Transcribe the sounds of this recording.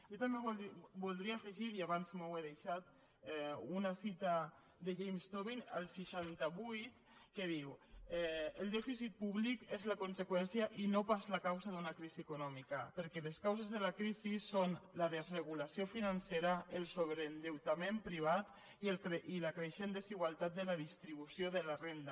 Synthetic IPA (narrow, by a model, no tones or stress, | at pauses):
ʒot̪ambeβbulˠd̪ɾiaefəʒiɾiaβanzmoweðeʃat̪ | ɛunasit̪a | d̪eʒejmst̪oβina̰lˠsiʃant̪aβujt̪ | keðiwɛəlˠd̪ɛfisit̪̚puβlikezlakunsekwɛnsjaʔinopazlakawzaðunakɾiziekunɔmikapəɾkɛleskawzezðelakɾizisonlaðezreɣ̞ulasiofinanseɾaelˠsoβɾend̪ewt̪amempɾiβ̞at̪ | ielkɾeʔilakɾeʃend̪eziɣ̞walˠt̪at̪̚d̪əlaðist̪ɾiβ̞usjoðəlarend̪a